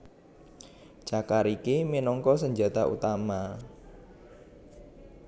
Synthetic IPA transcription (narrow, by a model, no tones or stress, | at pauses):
d͡ʒ̥akaɾikeminɔŋkɔs̬əɲd͡ʒa̤t̪aʔṵt̪ama